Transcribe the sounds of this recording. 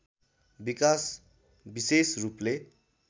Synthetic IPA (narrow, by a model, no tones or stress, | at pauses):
bikas | bisesruple